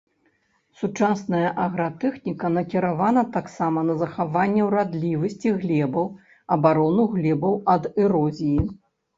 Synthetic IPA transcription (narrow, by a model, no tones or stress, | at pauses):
sut͡ʂasnɐjɐʔɐɣɾat̪ɛxnʲikɐnɐkʲiɾavanɐt̪aksamɐnɐzɐxavanʲːɛwɾad̪lʲivɐsʲt͡sʲiɣlʲɛbɐw | ɐbaɾɔnuɣlʲɛbɐwɐd̪ɛɾɔzʲiji